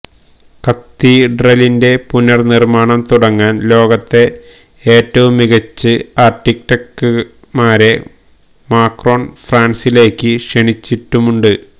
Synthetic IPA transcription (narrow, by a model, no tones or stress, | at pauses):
kɐt̪ːiɖrɐlinde̞punːɐrnirmaːɳɐmt̪uɽɐŋːaːnlo̞ːɣɐt̪ːe̞ | eːtːɐʋumːiɣɐt͡ɕːɨaːrʈːik̚ʈɐkːɨ | maːɾe̞ | maːkro̞ːnfraːnsile̞ːkːɨʂeɳit͡ɕːiʈːumuɳɖɨ